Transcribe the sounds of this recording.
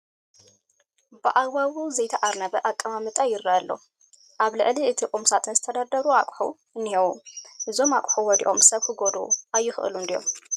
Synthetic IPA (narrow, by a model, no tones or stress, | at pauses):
bɨʔawawuzɐjt̪ʰɐʔaɾnɐβɐʔakʼːɐmamɨt̪ʼajɪɾːɐʔɐlːo | ʔaβlɨʕʔliɨt̪ʰikʼumsat̪ʰɨnzɨt̪ʰɐd̪ad̪ɐɾuakʷʼħṵ | nihɐwuʔɨzo̞makʷʼħuwɔd̪ḭʔo̞msɐβkɨɡod̪ṵʔajːɪxɨ̰ʔɨ̰lund̪ijo̞̰m